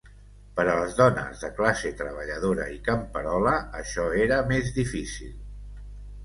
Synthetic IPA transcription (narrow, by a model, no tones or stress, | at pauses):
pəɾələzðɔnə̰zðəklaset̪ɾəβ̞əʎəð̞oɾə̰ikəmpəɾɔləəʃɔeɾəmezðifisḭlˠ